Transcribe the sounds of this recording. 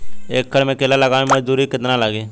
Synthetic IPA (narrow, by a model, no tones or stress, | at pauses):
eːk̚ːəɽmẽkeːlaləɡaːmemɐd͡ʒd̪uːɾikɪt̪nalaɡeː